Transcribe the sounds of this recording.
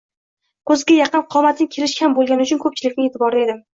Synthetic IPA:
kʰɵzɡʲajɑqɨnqʰɒmat̪ʰɪnɪkʲʰe̞lɪʃʲhambolˠɡʲanɪʊt͡ʃʰʊnkʰɵp̚t͡ʃʰɪlɪkʲnɪŋet̪ʰɪbɒɾɪe̞d̪ɪm

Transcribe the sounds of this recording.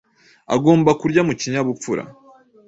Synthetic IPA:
aɡo̞ːmbakuɾɟamuciɲaβufuɾa̰

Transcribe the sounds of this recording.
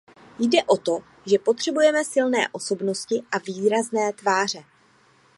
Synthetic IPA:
jdɛʔo̞t̪o̞ | ʒɛpo̞t̪r̝̥ɛbujɛmɛsɪlnɛ̰ːʔo̞so̞bno̞scɪʔaviːɾaznɛːt̪vaːr̝ɛ

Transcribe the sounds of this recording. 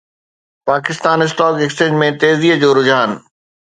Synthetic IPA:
paːkɪst̪aːnɪs̬ʈɔːkekst͡ɕeːd͡ʑmẽt̪eːziːəd͡ʑoːɾʊd͡ʑaːn

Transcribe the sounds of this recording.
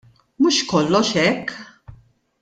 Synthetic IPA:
muʃkɔlːɔʃɛkː

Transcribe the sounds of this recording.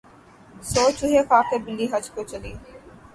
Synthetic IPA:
soːt͡ʃʊɦexʰaːkeɾbɪlːiɦɐd͡ʒkot͡ʃɐliː

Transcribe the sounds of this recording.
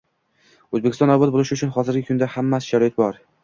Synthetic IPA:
ɵzbekʲɪst̪ɒnːɒwbɒt̪bolˠɪʃʊt͡ʃʰʊnχɒzɪɾɡʲɪkʰʊnd̪ahamːasɪ̥ʃaɾɒɪt̪̚bɒɾ

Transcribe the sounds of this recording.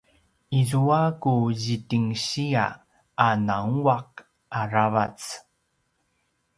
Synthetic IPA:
izuakuʑitiŋɕia̰ | anaŋuaq̚ | ʔaɾavat͡s

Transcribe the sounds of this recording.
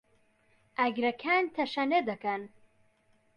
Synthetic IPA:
ʔɐɡɾɐkʰaːnt̪ʰɐʃɐned̪ɐkɐn

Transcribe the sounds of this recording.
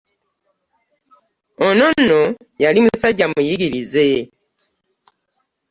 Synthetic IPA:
ono̞nːo | jalimusaɟːamujiɡiɾize

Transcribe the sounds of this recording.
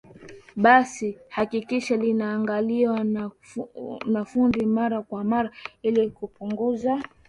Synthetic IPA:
ɓasihakikiʃalinaːŋɡaliwan | nafundimaɾakwamaɾailikupuŋɡuza

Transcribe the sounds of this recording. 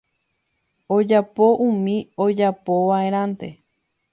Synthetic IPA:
od͡ʒapoʔũmĩod͡ʒapoʋae̞ɾ̃ãnt̪e̞

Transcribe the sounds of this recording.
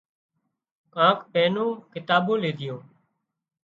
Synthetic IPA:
kãːkpɛːnõːkɪt̪aːbõːleːd̪ʱɪjõː

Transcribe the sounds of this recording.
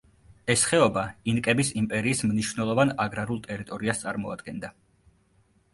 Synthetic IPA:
ɛsχɛɔbainkʼɛbisimpʼɛɾiːsmniʃwvnɛlˠɔvanaɡɾaɾulˠt̪ʼɛɾit̪ʼɔɾiast̪sʼaɾmɔa̰d̪ɡɛnd̪a

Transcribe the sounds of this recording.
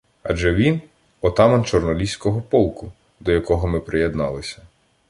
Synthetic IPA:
ɐ̰d͡ʒɛʋʲin | ɔt̪ɑmɐnt͡ʃɔrnɔlʲisʲkɔɦɔpɔlˠkʊ | d̪ɔjɐkɔɦɔmɪpɾɪjed̪nɑlˠɪsʲɐ̥

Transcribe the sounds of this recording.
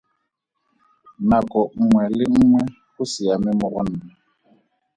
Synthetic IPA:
nakʼɔŋ̩ŋwɛlɪŋ̩ŋwɛ | hʊsɪamɪmʊɣʊn̩ːa

